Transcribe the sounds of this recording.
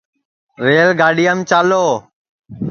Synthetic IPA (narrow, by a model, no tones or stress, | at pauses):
ɾeːlɡaːɗijəmt͡ʃaːloː